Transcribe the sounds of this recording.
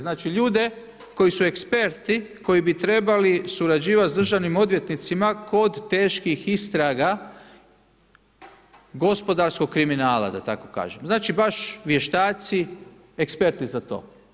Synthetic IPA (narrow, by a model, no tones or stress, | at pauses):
znaːt͡ʃiʎuːd̪e̞ | ko̞jisuekspe̞ɾt̪iko̞jibit̪ɾe̞balisuɾad͡ʑiːʋat̪zd̪r̩ʒaʋnimo̞d̪ʋje̞t̪nit̪simakʰo̞d̪ːe̞ːʃkixist̪ɾaɡa | ɡo̞spo̞d̪aɾsko̞ɡkːɾiminaːla̰d̪at̪ako̞ka̰ːʒemznaːt͡ʃibaʃʋje̞ʃt̪aːt̪si | ekspe̞ɾt̪izat̪o̞̰ː